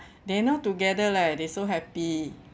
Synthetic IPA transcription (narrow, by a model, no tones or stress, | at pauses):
denɔtuɡɛdəlak̚desoɦɛpi